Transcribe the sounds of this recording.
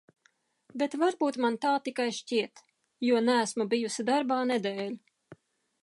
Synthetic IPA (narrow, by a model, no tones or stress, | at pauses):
bet̪vaɾbuːt̪mant̪aːt̪ikajʃciɛt̪ | juɔnæːsmubijusid̪aɾbaːnɛd̪ɛːlʲ